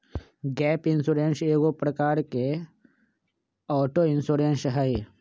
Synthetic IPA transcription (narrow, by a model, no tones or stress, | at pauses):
ɡɛːpɪnsuːɾenseːɡopɾɐkaːɾke | ɔːʈoɪnsuɾensɦɐi